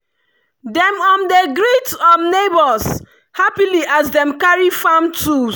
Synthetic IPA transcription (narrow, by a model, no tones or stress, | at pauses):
dɛ̃mɔ̃ndeɡɹitsɔnnebɔs | hapiliʔazdɛ̃mkaɹifãmtu